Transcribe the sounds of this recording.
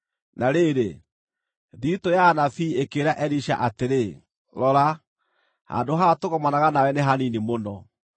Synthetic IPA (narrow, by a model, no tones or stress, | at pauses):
naɾeɾe | ðitojanafiekeɾaʔɛɾiɕa̰ʔateɾe | ɾɔɾa | ha̰ndoɦatoɣɔmanaɣanawɛneɦaninimonɔ